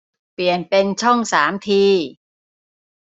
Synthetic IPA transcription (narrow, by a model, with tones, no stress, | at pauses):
pli˨˩ənpe˧nt͡ɕʰɔ˥˩ŋsaː˩˦mt̪ʰiː˧